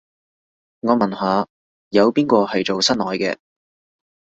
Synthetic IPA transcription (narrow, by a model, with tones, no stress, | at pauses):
ŋɔː˨˧mɐ˨˩nɦaː˨˧ | jɐ˨˧wpiː˥nkɔː˧hɐ˨jt͡ʃo˨wsɐ˥nlɔː˨˧jkɛ̰ː˧